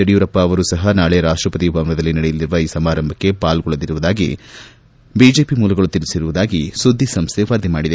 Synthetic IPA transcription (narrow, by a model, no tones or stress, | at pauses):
ɐɽijuɾɐpːɐːʋɐɾusɐɦɐnaːɭe̞ɾaːʂʈɾɐpɐt̪iubɐmʋɐd̪ɐlːinɐɽejɐlːiɾuʋɐiːsɐmaːɾɐmbʱɐkːe̞paːlɡɔɭɐd̪iɾuʋud̪aːɡḭ | bid͡ʒe̞ːpimuːlɐɡɐɭut̪iɾisiɾuʋud̪aːɡisud̪ʱːisɐmst̪ʰeʋɐɾd̪ʱimaːɽid̪e